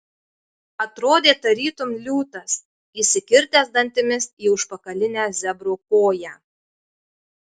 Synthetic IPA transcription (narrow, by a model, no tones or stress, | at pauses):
ɐt̪ɾoːd̪ʲeːt̪ɐɾʲiːt̪ʊmlʲuːt̪ɐs | iːˑsʲɪkʲɪɾʲt̪ʲæːzd̪ɐnʲt̪ʲɪmʲɪsiːʊʃpɐkɐlʲɪnʲæːzʲɛbɾoːkoːjæː